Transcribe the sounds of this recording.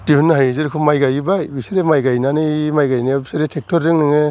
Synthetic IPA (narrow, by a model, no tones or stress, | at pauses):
d̥ihunːɯɦajzɯɾkʰɔmajɡajibajbiseɾemajɡajnanɯmajɡajnibisaɾetʰek̚tʰɔɾdɯŋnɯŋe